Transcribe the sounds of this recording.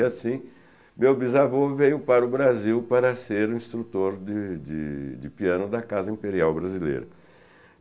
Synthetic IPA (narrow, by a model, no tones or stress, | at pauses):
asĩ | mewbizavovejʊpaɾʊbɾaziwpaɾɐseɾũĩst̪ɾut̪oɾd͡ʒɪd͡ʒɪ̰d͡ʒɪpiɐ̃nʊd̪ɐkazɐĩpeɾiawbɾazilḛjɾɐ̰